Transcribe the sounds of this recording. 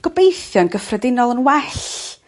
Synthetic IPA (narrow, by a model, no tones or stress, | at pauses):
ɡ̥ɔbejθjɔnɡəfrɛdɪnɔlˠənwɛɬ